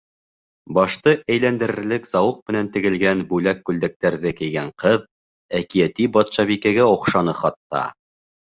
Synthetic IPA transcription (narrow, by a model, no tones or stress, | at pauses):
bɑʃt̪ɤæjlænd̪ɘ̆ɾɘ̆ɾlɘkz̥ɑwɤq̚mɘ̆nænt̪ɘ̆ɡɘ̆lɡænbʉlækːʉld̪æk̚t̪æɾðɘkɘ̆jɡæɴqɤð | ækijæt̪ibɑt̪ʃɑβikæɡæŏqʃɑnɤχɑt̪ːɑ̰